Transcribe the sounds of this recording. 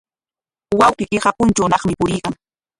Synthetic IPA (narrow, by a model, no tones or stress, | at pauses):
wawqikɪχapʊnt͡ʃawnɑχmɪpʊɾɪjkaŋ